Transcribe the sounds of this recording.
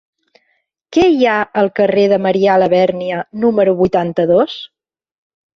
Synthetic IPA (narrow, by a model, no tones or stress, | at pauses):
kɛjaəlˠkəreðəməɾialəβɛɾniənuməɾuβujt̪ant̪əðos